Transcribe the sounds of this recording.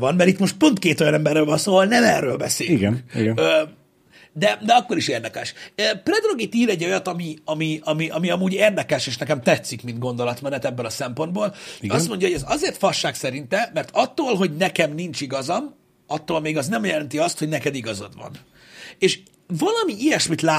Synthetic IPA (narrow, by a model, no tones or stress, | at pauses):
vɒnmɛɾit̪mo̞ʃt̪̚po̞nt̪keːt̪o̞jɒnɛmbɛrːøːlvɒnsoːvɒlnɛmɛrːøːlbɛseːlyɡnkiø | d̪ɛd̪ɛɒkːo̞ɾiʃeːrd̪ɛkɛʃøprɛd̪ro̞ɡit̪iːɾɛɟːo̞jɒt̪ɒmiɒmiɒmiʔɒmiɒmuːɟeːrd̪ɛkɛʃeːʃnɛkɛmt̪ɛt̪sikmind̪ɡo̞nd̪o̞lɒt̪mɛnɛt̪ɛbːɛlɒsɛmpo̞nd̪boːlst̪mo̞ɲɟɒhoɟɛzɒzeːrt̪fɒʃːaːksɛɾint̪ɛmɛrt̪ɒt̪ːoːlɦo̞ɟnɛkɛmnint͡ʃiɡɒzɒm | ɒt̪ːoːlmeːɡɒznɛmjɛlɛnt̪iɒst̪ho̞ɟnɛkɛd̪iɡɒzo̰d̪ʋɒ̰n | eːʃ | vɒlɒmiʔijɛʃmit̪laː